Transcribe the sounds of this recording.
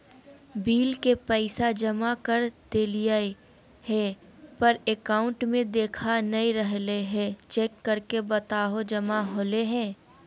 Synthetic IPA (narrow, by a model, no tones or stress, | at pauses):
biːlkepɛɪsad͡ʒɐmakɐɾd̪̥eːlijae | ɦɛ̃pɐɾekaːʊ̃ɳʈmẽd̪eːkʰanɐiɾəɦleɦɛ̃t͡ʃeːkːɐɾkebɐt̪aːɦod͡ʒɐmaɦoːleɦɛ̃ː